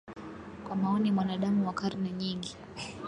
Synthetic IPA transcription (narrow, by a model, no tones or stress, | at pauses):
kwamaɔnimwanaɗamuwakaɾnɛɲiŋɡi